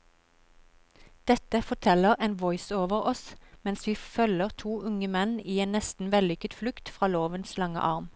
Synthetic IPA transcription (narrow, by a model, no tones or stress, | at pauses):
d̪̥ɛt̪əfɔʈ̪ʰɛləʁeːnʋɔʏsoːʋəʁɔsmɛnsʋiːfœləʁt̪ʰuːʔʊŋəmɛniːeːnnɛst̪n̩ʋɛlʏkət̪flʉkt̪fʁɑːloːʋənslɑŋə̰ʔɑʁm